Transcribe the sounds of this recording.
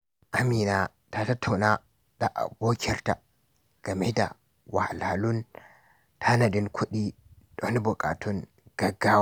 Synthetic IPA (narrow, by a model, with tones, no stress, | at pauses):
ʔa˨mi˨na˨ | ta˨ta˦tʰːa˨wna˦ | ɗa˨ʔa̰˨bo˦kʰʲɛ˦ɾta˨ | ɡ̥a˨me˦da̰˨ | wa̰˨ha˨la˨lu˦n | tʰa˦na˨di˦nkʰu˦ɗi˦ | ɗo˦n˦bɔ˨kʼa̰˨tʰu˦n | ɡ̥a˨ɡːa˦